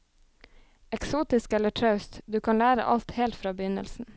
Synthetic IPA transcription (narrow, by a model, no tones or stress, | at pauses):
ɛksuːt̪ɪskɛləʈʰɾɑʉst̪d̪ʉːkʰɑnlæːɾə̰ʔɑ̰lt̪heːlt̪fɾɑːbəjʏnə̰lsn̩